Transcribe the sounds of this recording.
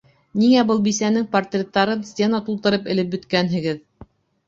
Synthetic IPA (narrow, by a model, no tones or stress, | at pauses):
niŋæbɤlˠbisænɘŋpɐrt̪rʲet̪ːɑɾɤnsʲtʲenɑt̪ulˠt̪ɤ̆ɾɤpɘ̆lɘp̚bɵ̆t̪kænɦɘ̆ɡɘð